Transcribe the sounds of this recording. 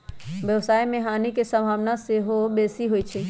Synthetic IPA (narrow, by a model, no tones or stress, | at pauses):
ʋjəwsaːimẽɦaːnikesə̃mbʱaːʋnaseɦobeːsiɦoit͡ʃʰɛ